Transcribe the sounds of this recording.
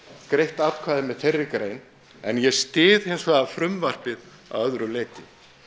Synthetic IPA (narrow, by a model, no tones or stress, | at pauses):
kɾejht̪at̪kʰvaːðɪmɛðθejrːɪkɾejn | ɛnjɛst̪ɪːð̥hejnsvaːafɾʏmvar̥pɪð | a̰wœðɾʏleːjt̪ɪ